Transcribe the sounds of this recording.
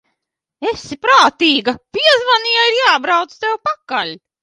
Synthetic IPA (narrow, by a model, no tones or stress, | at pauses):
esipɾaːt̪iːɡɐpiɛzvanijaiɾjaːbɾawt̪st̪ɛwpakalʲ